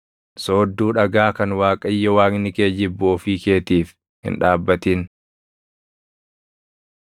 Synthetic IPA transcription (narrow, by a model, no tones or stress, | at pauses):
so̞ːd̪ːuːᶑɐɡaːkɐnwaːkʼɐjːɐwaːŋnɪke̞ːd͡ʒɪbːʊɔfiːke̞ːt̪iːf | hɪ̰nᶑaːbːɐt̪iːn